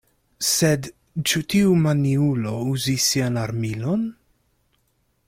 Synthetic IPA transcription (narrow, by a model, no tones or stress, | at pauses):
sɛd̪ | t͡ʃut̪ʰiumaniulouzisianaɾmilɔn